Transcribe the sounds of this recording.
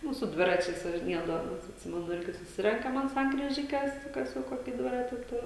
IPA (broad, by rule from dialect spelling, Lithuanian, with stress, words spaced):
ˈnʊ sʊ ˈdʲʋʲɪrɐt͡ʃʲɛɪs ʋɐʒʲɪˈnʲiɛdɐʋoːmʲeːs ɐtʲˈsʲɪmʲɛnʊ ˈɪrʲɡʲɪ sʊˈsʲɪrʲɛŋkɐm ɐnt sɐŋkrʲiːˈʒʲɪkʲɛs ˈkɐs jɛʊ ˈkoːkʲɪ ˈdʲʋʲɪrɐtʲɪ ˈtʊr